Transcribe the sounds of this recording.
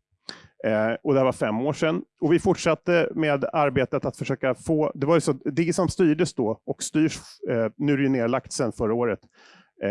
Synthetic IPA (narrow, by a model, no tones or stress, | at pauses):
ɔd̪ɛhæɾvaɾfɛmːoːʂɛnːɔvɪfʊʈʂat̪ːəmeːd̪aɾbeːt̪ət̪at̪fœʂøːkafoːd̪ɛvaɾjsɔd̪ɛsɔmst̪yːɖəsd̪ɔɔkst̪yːʂnʉ̟ɾɛjɵneːlak̚t̪sɛnːfœɾaoːɾət̪